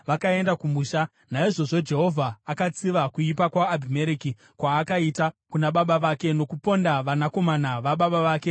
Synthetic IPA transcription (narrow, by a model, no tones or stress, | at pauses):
ʋakae̞ndakumuːʃa | naiʐo̞ʐo̞d͡ʒe̞ɦo̞vʱaːkat͡siʋakuipakwaːbʱimeɾiki | kwaːkaitakunaɓaɓaʋaːke̞no̞kupo̞ndaʋanako̞manaʋaɓaɓaʋaːke̞